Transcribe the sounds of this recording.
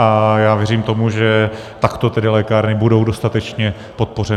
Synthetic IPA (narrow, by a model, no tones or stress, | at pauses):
ajaːvjɛɾiːmt̪o̞muʒɛ | t̪akt̪o̞t̪ɛdɪlɛːkaːɾnɪbudo̞wdo̞st̪at̪ɛt͡ʃɲɛ | pot̪̚po̞r̝ɛ